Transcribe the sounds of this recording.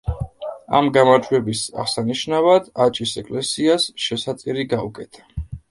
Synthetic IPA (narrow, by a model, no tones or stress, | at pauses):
a̰mɡamaɾd͡ʒwɛbisa̰ʁsaniʃnavad̪̥at͡ʃʼisɛkʼlɛsiasʃɛsat̪sʼiɾiɡaukʼɛt̪ʰḁ